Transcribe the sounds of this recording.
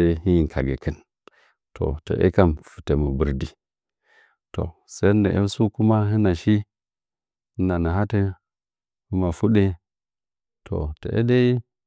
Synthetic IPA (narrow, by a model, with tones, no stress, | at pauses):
e˦hi˦ji˨ŋ˨kʰa̰˨ɡe˨kə˦˨n | tʰo̰˨tə̰˨ʔḛ˦ka˦mfu̥˨te˨mə˨bu˨ɾdi˨ | to̰˨se˦ndə˨ʔḛ˦su˦ku˦ma˦ɦɨ˦na˨ʃi˦ | hi˦na˨nə˨ɦa˦te˦ | hu˦ma˨fu˦ɗe˦ | tʰo̰˨tə̰˨ʔḛ˦de˦i˦